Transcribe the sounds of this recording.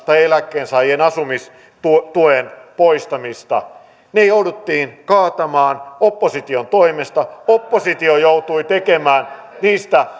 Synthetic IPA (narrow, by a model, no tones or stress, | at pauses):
st̪ɑelækːˑeːnsɑienɑsumis | t̪ut̪uenpoist̪ɑmist̪ɑ̰ | nejoudut̪ːiːnkɑːt̪ɑmɑːnopːosit̪iont̪oimest̪ɑopːosit̪iojout̪uit̪ekemæːn | niːst̪æ